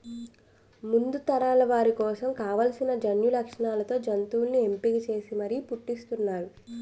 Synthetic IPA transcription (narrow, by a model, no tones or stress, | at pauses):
mund̪ut̪ɐɾaːlɐʋaːɾikɔːsɐmkaːʋɐlɐsinɐd͡ʒɐnjulɐkʂɐɳaːlɐt̪o̞ːd͡ʒɐnt̪uːulnie̞mpiɡit͡ʃe̞ːsimɐɾipuʈːist̪unːaːɾu